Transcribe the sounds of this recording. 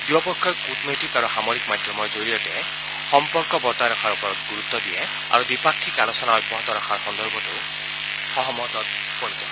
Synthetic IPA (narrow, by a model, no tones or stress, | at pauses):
diɔpɔkʰːɔjkutmetikaɹuxamoɾikmad̪ʱjɔmɔɹzoɹijɔtɛ | xɔmpɔɹkɔbɔɹt̪ajɾɔkʰaɹupɔɾɔt̪ɡuɹut̪ːɔd̪iɛ | a̰ɹudipakʰːikalɔsɔnaɔjbɔɦɔt̪ɔɾakʰaɹxɔnd̪ɔɹbɔtu | xɔɦɔmɔt̪ɔt̪̚ | pɔɹid͡ʒɔ